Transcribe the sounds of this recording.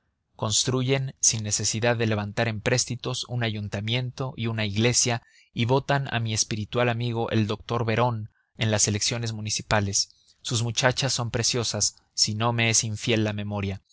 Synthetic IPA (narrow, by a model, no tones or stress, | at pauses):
ko̞nst̪ɾuʝe̞nsinːe̞se̞siðaðːe̞le̞β̞ant̪aɾe̞mpɾe̞st̪it̪o̞sunaʝunt̪amje̞nt̪o̞ʔiunaiɣle̞sja | iβo̞t̪ana̰mie̞spiɾit̪walamiɣ̞o̞ʔe̞̰ld̪o̞k̚t̪o̞ɾβe̞ɾo̞n | e̞nlase̞leksjo̞ne̞zmũnisipale̞sː | uzmut͡ʃat͡ʃasːo̞mpɾe̞sjo̞sasː | ino̞me̞esiɱfje̞lːame̞mo̞ɾja